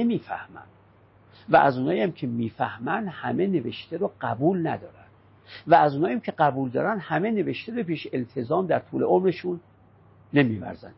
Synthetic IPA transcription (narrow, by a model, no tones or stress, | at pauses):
emiːfæ̰hmæ̰n | væ̰ʔæzunɒːjijæmkʰemiːfæhmænd̪hæmene̞veʃt̪eɾoɢ̥æbuːlnæd̪ɒːɾænd̪̥ | vææzuːnɒːjæmcʲʰe̞ɢæbuld̪ɒːɾænd̪hæmene̞veʃt̪eɾopʰiːʃeʔelt̪ʰezɒːmd̪æɾt̪ʰuːle̞ʔomɾeʃunː | emivæ̰ɾzæ̰nd̪